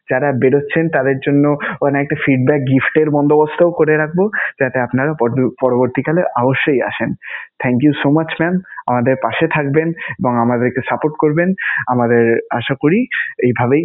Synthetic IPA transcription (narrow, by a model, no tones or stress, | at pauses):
d͡ʑaɾabeɽotːɕʰent̪ad̪eɾd͡ʑonːoɔnɛk̚ʈafiɖbɛk̚ɡifʈeɾbɔnd̪obost̪ʰaokoɾeɾak̚ʰbod͡ʑat̪eapnaɾapɔɾoboɾt̪ikaleʔaboʃːoja̰ʃent̪ʰɛŋkjusomat͡ɕmɛmamad̪eɾpaʃet̪ʰak̚beneboŋamad̪eɾkesapoʈkoɾbenamad̪eɾaʃakoɾiejbʱabej